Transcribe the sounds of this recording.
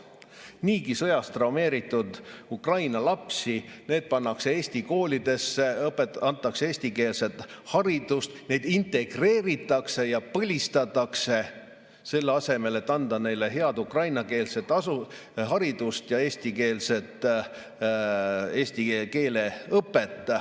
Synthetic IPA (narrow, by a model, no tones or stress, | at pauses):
niːkisɤ̞jɑst̪rɑwme̞ːɾit̪ːˑud̪̥ukrɑjnɑlɑpsine̞ːd̪̥̚pɑnːɑkse̞eːsʲt̪iko̞ːlʲid̪e̞sːe̞ɤpːet̪ɑnt̪ˑːɑkseeːsʲt̪ike̞ːlse̞t̪ˑhɑɾid̪ust̪ne̞jd̪̥int̪e̞ɡ̥re̞ːɾit̪ːˑɑkse̞jɑpɤlʲist̪ɑt̪ːˑɑkse̞ | se̞lːeɑse̞me̞le̞t̪ːɑnd̪̥ɑne̞jle̞ɦe̞ɑd̪̥ukrɑjnɑke̞ːlse̞t̪ːˑɑsu | ɦɑɾid̪̥ust̪jɑe̞ːsʲt̪ike̞ːlse̞t̪ˑ | e̞ːst̪ike̞ːle̞ɤpːe̞t̪ˑː